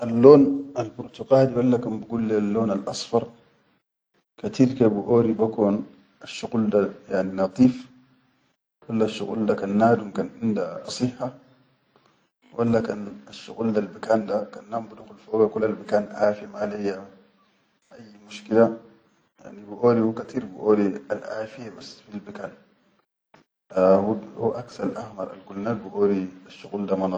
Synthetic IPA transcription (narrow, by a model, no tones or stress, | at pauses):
ʔalːoːnalbuɾt̪ukaːdiwalːakanbiɡulːialːoːnalʔɑsˤfɑɾˤ | kat̪ilkabuʔoːɾibakoːn | aʃːuɡuld̪ajaʕninɑt̪ˤiːf | wwalːaʃːuɣṵldakanːaːd̪umkanʕɪndasˤiħːa | wʔalːakanaʃːṵɣuld̪albakaːnd̪akanːambuduxulfoːɡakulːalbakaːnʔaːfijamalejːa | ʔajːmuʃkila | ja̰ʕnibiʔoːɾihukat̪ʰiːɾbḭʔoːlialʔa̰ːfijabasfilbakaːn | huuʔaksɑɾʔahmɑɾˤʔa̰lɡulnaːdbiʔoːɾiaʃːuɣuːldamanɑ